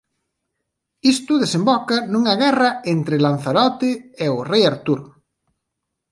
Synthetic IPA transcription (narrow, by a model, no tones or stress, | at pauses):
ist̪ʊðesembɔkɐnuŋɐɣɛrɐent̪ɾɪlan̟θaɾɔt̪ɪeʊrejaɾt̪uɾ